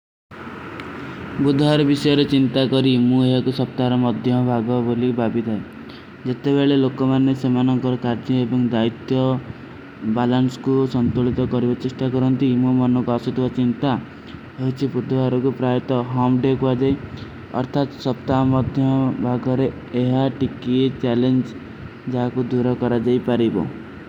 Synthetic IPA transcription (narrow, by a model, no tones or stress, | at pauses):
bud̪ʱɔaɾɔbisɔjɔɾet͡ʃint̪akɔɾimueɦakusɔp̚t̪aɾɔmɔd̪ʱjɔbʱaɡɔbolibʱabid̪ʱae | d͡ʒet̪ebeɭelokɔmanːesemanɔŋkɔɾɔkaɾd͡ʒɔebɔŋd̪ait̪jɔ | balansɔ̥kusɔnt̪uɭit̪ɔkɔɾibɔt͡ʃesʈakɔɾɔnt̪imumɔnɔkuasut̪ʰiwat͡ʃint̪a | ɦojt͡ʃʰipɾud̪ɔaɾɔkupɾajɔt̪ɔɦɔmɖekuad͡ʒaj | ɔ̰ɾt̪ʰat̪sɔp̚t̪amɔd̪ʱjɔbʱaɡɔɾeː | ɦaʈikiet͡ʃalend͡ʒ | d͡ʒaɦakud̪uɾɔkɔɾad͡ʒajpaɾibɔ̰